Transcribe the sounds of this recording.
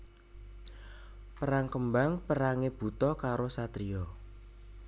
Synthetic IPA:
pəɾaŋkəmbaŋpəɾaŋeb̥ṳt̪ɔkaɾosat̪ɾiɔ

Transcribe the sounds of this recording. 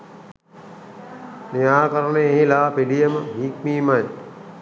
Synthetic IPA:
nijaːkɐɾəɳeeɦilaːpilijəməmiːkmiːmaj

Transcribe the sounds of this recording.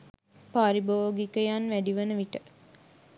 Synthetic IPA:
paːɾiboːɡikəjanʋæɖiʋənəʋiʈə

